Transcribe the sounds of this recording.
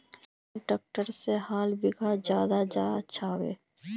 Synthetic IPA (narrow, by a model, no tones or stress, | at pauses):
ʈək̚ʈəɾseɦaːlbɪɡʱad͡ʒjaːd̪ad͡ʒa̰tːʃʰaʋḛː